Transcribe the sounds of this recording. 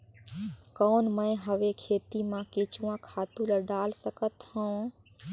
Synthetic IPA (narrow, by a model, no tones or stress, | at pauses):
kɔːnməjɦəʋekʰeːt̪imãket͡ʃuãkʰaːt̪ũləɖaːlsəkət̪hə̃